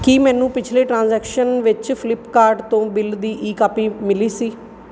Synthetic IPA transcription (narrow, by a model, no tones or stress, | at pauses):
kiːmɛ̃ːnũːpɪt͡ʃʰleːʈɾãːnzɛːkʃənʋɪt͡ʃpʰɪlɪpkaːɾɖt̪õːbɪld̪iːʔiːkaːpiːmɪliːsiː